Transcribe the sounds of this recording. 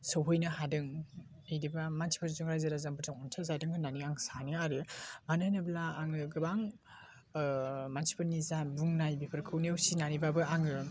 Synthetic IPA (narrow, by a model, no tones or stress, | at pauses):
sɔwɦɯjnɯhadɯŋ | ijdibamansʰi̥pʰɯɾzuŋɾajzaɾazampʰɯɾtʰɯŋɔntʰazadɯŋʰɯnaniaŋsaniaɾɯmanɯnɯblaːŋɯɡɯbaŋ | mansʰi̥pʰɯɾnizabuŋnajbipʰɯɾkʰɯwniawsinanibabɯaŋɯ